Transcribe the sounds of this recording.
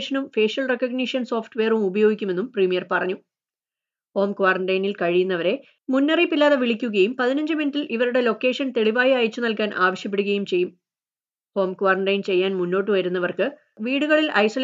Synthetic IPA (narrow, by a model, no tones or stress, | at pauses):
ʂɐnumfe̞ːʂɐlrekːɐɡniʂjɐnso̞ːfʈʋe̞ːrumubɐjo̞ːɡikʲːume̞nːumpriːmijɐrpɐrɐɲːu | ho̞ːmkuʋaːrɐɳɖɐjnilkɐɻijunːɐʋɐɾe̞ | munːɐripːilːaːðɐʋiɭikʲːuɣɐjumpɐðinɐɲd͡ʑɨminɨtːilʔiʋɐɾuɽe̞lo̞kːe̞ːʂɐnt̪e̞ɭiʋaːjiɐːjt͡ɕːunɐlkaːnʔa̰ːʋɐɕjɐpːeɽuɣɐjumt͡ɕe̞jːum | ho̞ːmkwʋaːrɐɳɖɐjnt͡ɕe̞jːaːnmunːo̞ːʈ̬ːɨʋɐɾunːɐʋɐrkɨ | ʋiːɽuɣɐɭilʔɐ̰jsol